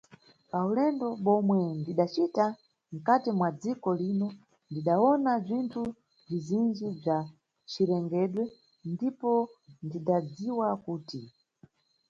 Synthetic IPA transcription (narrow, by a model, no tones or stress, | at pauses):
paulɛndɔɓɔmwɛndiɗat͡ʃita | m̩katimwad͡zikɔlinɔ | ndiɗaɔnab͡ʐintʰu | b͡ʐizind͡ʒib͡ʐa | t͡ʃiɾɛŋɡɛɗwɛ | ndipɔndiɗad͡ziwakuːti